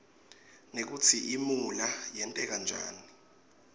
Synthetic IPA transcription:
nek̬ut͡sʰiʔimulajɛntʼɛk̬and͡ʒʱa̰ːni

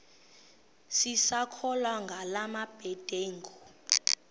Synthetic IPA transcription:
sisakʰɔlwaŋɡʱalamab̥ʱɛd̥ʱeːŋɡʱɔ

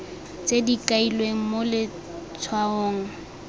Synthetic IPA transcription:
t͡sedikʼailweŋ̩molɪ | t͡sʰwaoːŋ̩

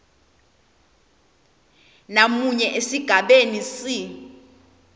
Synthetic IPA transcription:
namuɲɛʔesiɡ̥ʱaɓenisi

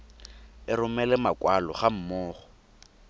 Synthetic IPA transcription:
ɪɾʊmɛlɛmakwalɔ̰χam̩mɔːχɔ̥

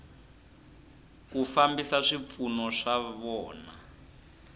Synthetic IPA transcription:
kufambisaʂip̪funɔʂaβɔːna

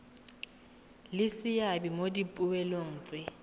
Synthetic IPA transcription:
lɪsɪjabimodipʼʊwɛloŋ̩ːt͡sʼɪ

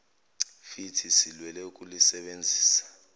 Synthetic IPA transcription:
fitʰisilwɛlɛukʼulisɛɓend͡zʱiːsḁ

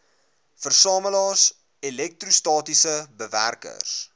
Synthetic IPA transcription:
fərsɑːməlɑːs | ilɛk̚trustɑːtisəbəvæ̰rkə̰s

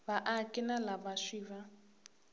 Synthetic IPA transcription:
baʔakʼɪnalabaʃiːβa

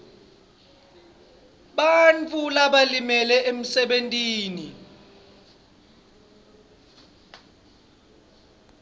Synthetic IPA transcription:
ɓant͡fʰʼulaɓalimɛlɛʔem̩sɛɓentʼiːni

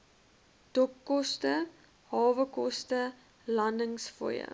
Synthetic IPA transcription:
d̥ɔkːɔstə | hɑːvəkɔstə | lɐndəŋsfɔ̰jə̰

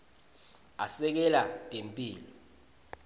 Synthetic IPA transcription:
asɛk̬ɛlaŋempʼiːlɔ

